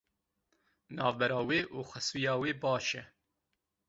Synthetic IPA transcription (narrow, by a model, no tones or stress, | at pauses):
nɑːvbɛɾɑːweːʔuːxʷɛsijɑːweːbɑːʃɛ